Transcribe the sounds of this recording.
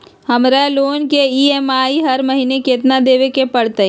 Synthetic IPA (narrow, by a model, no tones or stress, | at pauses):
hɐmɾaloːnkeiːemaːiɦɐɾmɐɦiːnekeːt̪nad̪eːʋekepɐɽt̪e